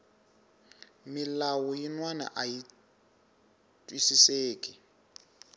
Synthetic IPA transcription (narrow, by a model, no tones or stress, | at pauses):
milawɔjinwana̰ʔaji | tʼwisiseːkʼi